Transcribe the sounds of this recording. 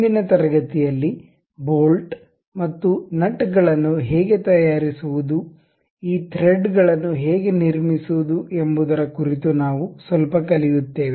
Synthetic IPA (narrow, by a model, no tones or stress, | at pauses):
d̪inɐt̪ɐɾɐɡɐt̪ijɐlːi | bo̞ːlʈ | mɐt̪ːunɐʈɡɐɭɐnːuɦɛːɡe̞t̪ɐjaːɾisuʋud̪u | iːt̪ʰɾeɖɡɐɭɐnːuɦɛːɡeniɾmisuʋud̪uʔe̞mbud̪ɐɾɐkuɾit̪unaːʋusʋɐlpɐkɐlijut̪ːe̞ːʋi